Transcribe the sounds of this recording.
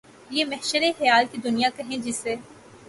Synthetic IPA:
jeːmɛɦʃəɾexɐjaːlkid̪ʊnijakɐɦẽd͡ʒɪsːeː

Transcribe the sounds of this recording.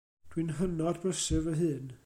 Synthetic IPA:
d̥winɦənɔdbəsɨvəɦɨːn

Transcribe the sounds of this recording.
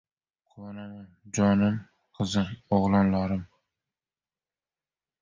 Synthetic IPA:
qʰʊwanamamd͡ʒɒnɪm | qʰɨzɨmoʁlˠɑnlaɾɪm

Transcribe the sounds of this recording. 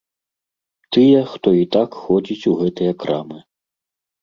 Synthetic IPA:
t̪ɨjɛxt̪ɔit̪akxɔd͡zʲit͡sʲuɣɛt̪ɨjɐkɾamɨ

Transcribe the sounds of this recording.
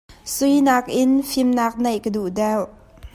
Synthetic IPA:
sujnaːk̚ʔɪnfɪmnaːk̚nɐjʔkəduʔdɛwʔ

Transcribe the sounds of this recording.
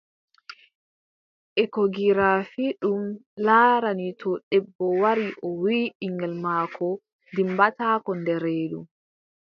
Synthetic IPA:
ʔɛkɔɡiɾafiɗumlaːɾanitʰɔɗɛbːɔwaɾiʔɔwiːiŋɡɛlmaːkʰɔ | dimbataːkɔndɛɾeːɗṵm

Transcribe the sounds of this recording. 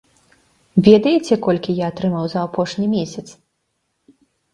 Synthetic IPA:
vʲɛd̪ɐjɛt͡sʲɛkɔlʲkʲijaːt̪ɾɨmawzɐːpɔʂnʲimʲesʲɐt̪s

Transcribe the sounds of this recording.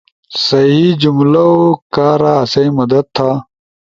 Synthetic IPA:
sɐɦid͡ʑumlɐokaːɾaːɐsɐĩmɐd̪ɐd̪̚t̪ʰːaː

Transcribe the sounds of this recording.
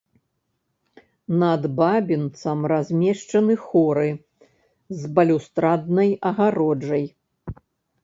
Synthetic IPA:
nɐd̪babʲint̪sɐmrazʲmʲɛʂt͡ʂɐnɨxɔɾɨ | zbɐlʲust̪ɾad̪̚nɐjɐɣaɾɔd͡ʐɐj

